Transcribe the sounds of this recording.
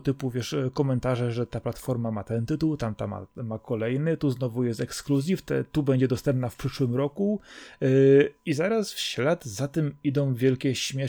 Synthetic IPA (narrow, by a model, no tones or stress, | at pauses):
t̪ɘpuvʲjɛʂkɔmɛnt̪aʐɛʐɛt̪aplat̪fɔɾmamat̪ɛnt̪ɘt̪uwt̪amt̪ama̰mːakɔlɛjnɘt̪uznɔvujɛst̪ɛkskluzʲift̪ɛ̰t̪ubɛɲd͡ʑɛd̪ɔst̪ɛmp̚nafpʂɘʂwɘmɾɔku | izaɾasfɕlʲad̪zat̪ɛmid̪ɔ̃w̃vʲjɛlkʲɛɕmʲjɛ